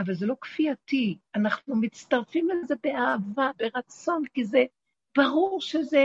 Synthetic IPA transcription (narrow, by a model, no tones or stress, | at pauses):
avalze̞lo̞kfiatianaχnumit͡st̪aʁfimleze̞be̞aːvabe̞ʁat͡so̞nkize | b̥aʁuʁʃeze